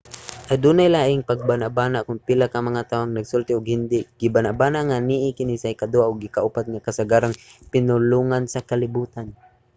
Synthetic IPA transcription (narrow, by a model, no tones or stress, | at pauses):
ʔad̪uːnajlaːʔɪŋpaɡ̚banaʔbaːnaʔkʊŋpilakamɐŋat̪awaŋnaɡsʊlt̪ɪʊɡhɪnd̪ɪɡ̥ɪbanaʔbaːnaʔŋaniʔɪkɪnisajkad̪uaʔʊɡɪkaʔupat̪̚ŋakasaɡaːɾaŋpɪnʊluŋansakalɪbuːt̪an